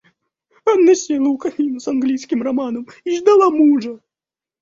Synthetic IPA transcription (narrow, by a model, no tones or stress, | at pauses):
anːɐsʲnʲelˠəkɐnʲinʊsɐnɡlʲijskʲɪmrɐmanəmiʐd̪ɐlˠamuʐə